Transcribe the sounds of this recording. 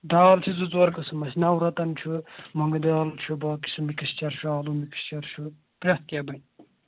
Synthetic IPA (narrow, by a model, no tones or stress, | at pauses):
d̪aːlt͡ʃʰizut͡swɐɾkɐsɨmɐsʲnɐwɾɐt̪ɐnt͡ʃʰumɐŋɡɐd̪aːlt͡ʃʰubaːki̥sɨmikɐst͡ʃɐɾʃʰuaːlumiki̥st͡ʃɐɾt͡ʃʰu | pɾʲɐt̪̚kʲɐbɐnʲ